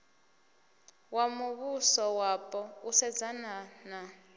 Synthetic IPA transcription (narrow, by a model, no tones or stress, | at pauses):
wamuβusɔwapʼɔusɛd͡zanana